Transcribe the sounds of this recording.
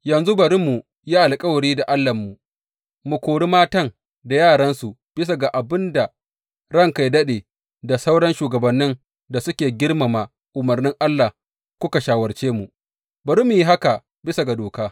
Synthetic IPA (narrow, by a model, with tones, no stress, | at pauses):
jɐ˨nzu˦bɐ˨ɾi˦mːu˨ | ji˦ʔa˨lkʼɐ˦wɐ˨ɽiː˦da˨ʔa˦lːa˨mːu˨ | mu˨kʷoː˨ɽi˦maː˦tɐ˦˨ŋ | da˨jaː˦˨ɽɐ˦nsu˨ | b̥ɪ˦s̬a˨ɡa˨ʔa˨bɪ˦nda˨ | ɽɐ˦ŋka˨jdɐ˦ɗeː˨ | da˨sa˦wɽɐ˦nʃuː˨ɡɐ˨bɐ˨nːɪ˦n | da˨sʊ˦kʲeː˨ɡʲɪ˦rma˨maː˨ | ʔʊ˨mɐ˨rnɪ˦ŋʔa˦lːa˨ | kʷʊ˦ka˨ʃaː˨wɐ˨rt͡ʃeː˦mu˨ | bɐ˨ɾi˦mːu˨ji˦ɦa˦ka˨ | bɪ˦sa˨ɡa˨doː˨kaː˦